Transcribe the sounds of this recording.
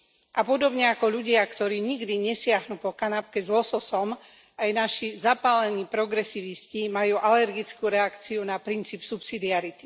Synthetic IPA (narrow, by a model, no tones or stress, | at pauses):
ʔapɔd̪ɔbɲɛakɔʎuɟɪakt̪ɔɾiːɲiɡd̪iɲɛsɪaɦnuːpɔkanap̚kɛzlɔsɔsɔm | ajnaʃizapaːlɛniːpɾɔɡɾɛsiːʋiscimajuːʔalɛɾɡit͡skuɾɛakt͡siunapɾint͡siːpsupsid̪iaɾit̪i̥